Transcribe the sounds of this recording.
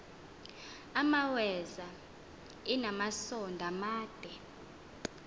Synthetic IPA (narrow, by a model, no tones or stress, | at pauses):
amawɛza | ɛnamasɔndʱamaːd̥ʱɛ